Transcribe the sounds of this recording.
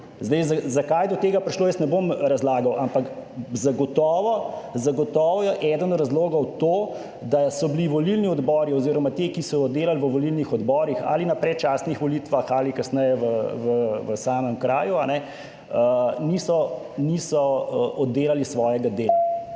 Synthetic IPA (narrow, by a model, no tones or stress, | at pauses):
zd̪ɛjzazakajd̪ɔt̪eːɡapɾiʃloːjɛsnɛbomɾazlaːɡɐwʔampakzaɡɔt̪ɔːʋɔzaɡɔt̪ɔːʋɔjɛʔɛd̪ənɔɾazloːɡɔwt̪oː | d̪asɔbliʋɔlilniɔd̪bɔːɾiɔziːɾɔmat̪ekisɔjɔd̪ːeːlalʋəʋɔlilnixɔd̪bɔːɾixa̰ːlinapɾɛt͡ʃaːsnixʋɔlit̪ʋaxalikɐsnɛjɛʋəʋəʋəsaːməmkɾaːjuanɛ | ənisɔ | nisɔʔɔd̪ːeːlalisʋɔːjɛɡad̪eːla